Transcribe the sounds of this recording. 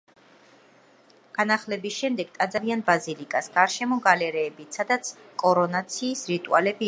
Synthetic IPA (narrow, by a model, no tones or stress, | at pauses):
ɡ̥anaχlɛbisʃɛmd̪ɛɡt̪ʼad̪zavianbazilikʼasɡ̥aɾʃɛmɔɡalɛɾɛːbisad̪at̪sʰkʼɔɾɔnat̪sʰiːsɾit̪ʼṵa̰lɛbi